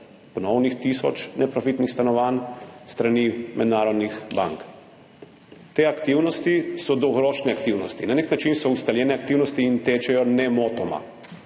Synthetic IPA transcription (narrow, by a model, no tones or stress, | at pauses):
pɔnɔwnixt̪isɔ̰t͡ʃnɛpɾɔfit̪nixst̪anɔʋanst̪ɾanimɛd̪naːɾɔd̪nixba̰ŋk | t̪eːakt̪iwnɔst̪isɔd̪ɔɣɾoːʃnɛakt̪iwnɔst̪inaneknat͡ʃinsɔust̪aljɛːnɛak̚t̪iwnɔst̪iːnt̪eːt͡ʃɛjɔnɛmoːt̪ɔma̰